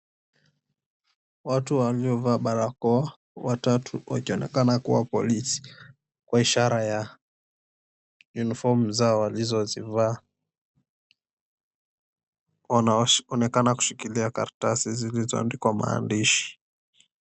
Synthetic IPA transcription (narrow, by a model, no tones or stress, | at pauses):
watuwaliɔvaːɓaɾakɔa | watatʰuwa̰kiɔnɛ̰kanakuwapɔ̰lisi̥ | kwaiʃaɾaja | junifɔm̩zaɔwalizɔzivaː | waaɔnɛkanaku̥ʃikiliaka̰ɾtasizilizɔ̰ndikwama̰ːndiʃi̥